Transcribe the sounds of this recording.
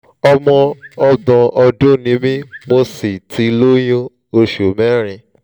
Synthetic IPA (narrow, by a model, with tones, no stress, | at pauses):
ɔ˧mɔ̃˧ɔ˧dɔ̃˨ʔɔ˧do˦˨nĩ˨˦mĩ˦mo˧si˨tʰi˧lo˦jõ˦ | o˧ʃo˨mɛ˦ɾ̃ĩ˧